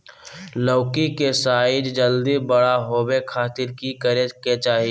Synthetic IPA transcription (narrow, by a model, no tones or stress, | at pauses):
loːkikesaːɪd͡ʒd͡ʒəld̪ibəɽaɦoːbekʰaːt̪ɪɾkikəɾeket͡ʃaːɦi